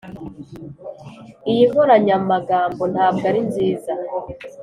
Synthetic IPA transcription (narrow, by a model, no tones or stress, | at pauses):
ijimvoɾaɲamumaɡaːmbo̞n̥haːb̚ɡaɾinziːza